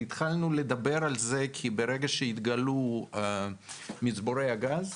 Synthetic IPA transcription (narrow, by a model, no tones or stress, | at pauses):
it̪χalnuled̪abe̞ɾalzekʰibeɾeɡaʃeit̪ɡalu | mit͡sboɾejaɡaz